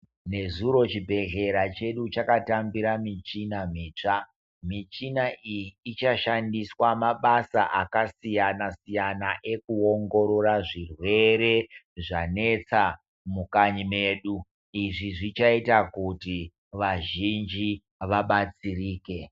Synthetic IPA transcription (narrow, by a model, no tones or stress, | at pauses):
ne̞zuɾo̞t͡ʃibʱe̞ɮe̞ɾat͡ʃe̞ɗut͡ʃakatambiɾamit͡ʃinam̤iːt͡ʂa | mit͡ʃinaʔijiːt͡ʃaʃandiswamaɓasaʔakasijanasijanaʔe̞kuo̞ŋɡo̞ɾo̞raʐirwe̞ɾe̞ | ʐane̞t͡sa | mukaɲime̞ːɗu | iʐiʐit͡ʃaitakuti | ʋaʒind͡ʒi | ʋaɓat͡siriːke̞